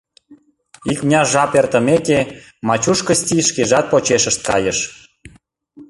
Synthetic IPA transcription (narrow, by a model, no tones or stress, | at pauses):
ikmnʲɑʒɑpert̪ə̆meke | mɑt͡ɕuʃkə̆st̪ʲiʃkeʒɑt̪̚pot͡ɕeʃəʃt̪̚kɑ̰jəʃ